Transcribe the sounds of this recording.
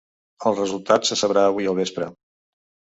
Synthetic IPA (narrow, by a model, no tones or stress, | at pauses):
əlˠrəzulˠt̪atsəsəβɾaəβ̞uiəlˠβ̞espɾə̰